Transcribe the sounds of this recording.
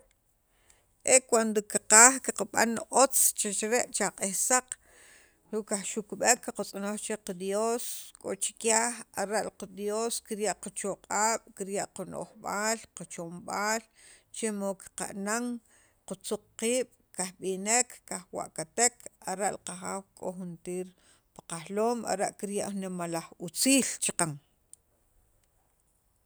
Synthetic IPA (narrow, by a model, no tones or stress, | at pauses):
ʔekwand̪okiqaːχkiqaɓa̰nʔot͡st͡ʃet͡ʃɾeʔt͡ʃaqʼehsaq | ɾuʔkaχʃukɓekːaqat͡sʼonoχt͡ʃeqad̪joːskʼo̰ʔt͡ʃi̥kjaːxaɾaʔlqad̪joːskiɾjaʔqat͡ʃoqʼaːɓ̥kiɾjaʔquno̰χɓaːlqat͡ʃomɓaːl | t͡ʃemoki̥qa̰ʔnaŋ | qut͡suq͡χ̚qiːɓ̥ | kaxɓinekːaxwa̰ʔkat̪ekʰaɾaʔlqaχaːwkʼoxunt̪iːɾ | pḁqaxloːma̰ɾeʔkiɾjaʔxnimalaχut͡siːlt͡ʃaqaŋ